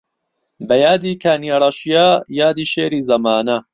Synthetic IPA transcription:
bɐjaːd̪iːkʰaːniaɾˤɐʃijajaːd̪iːʃeːɾiːzɐmaːnɐ

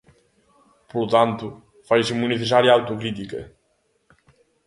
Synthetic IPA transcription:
polʊt̪ãnt̪ʊ | fajsimuneθes̬aɾjɐawt̪ukɾit̪̬ikɐ̰

